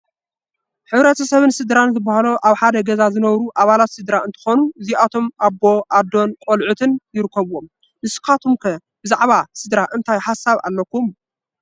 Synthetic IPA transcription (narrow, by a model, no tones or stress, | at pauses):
ħɨβɾɐt̪ʰɐsɐβɨnsɨd̪ɾanzɨbːahaloʔaβħad̪ɐɡɐzazɨnɐβɾuʔaβalat̪sɨd̪ɾaɨnt̪ʰɨ̥xonuɨziʔat̪ʰo̞mʔabːo̞ʔad̪o̞nkʼolʕut̪ʰɨnjɪɾɨkʰːɐβwom | nɨskʰat̪ʰumkʰɐ | b̥ɨzaʕβasɨd̪ɾaʔɨnt̪ʰajħasaβa̰lːɐkːum